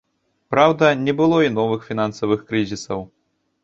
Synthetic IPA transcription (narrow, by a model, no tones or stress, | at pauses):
pɾawd̪ɐnʲɛbɨlˠɔinɔvɨxfʲin̪ansɐvɨxkɾɨzʲisɐw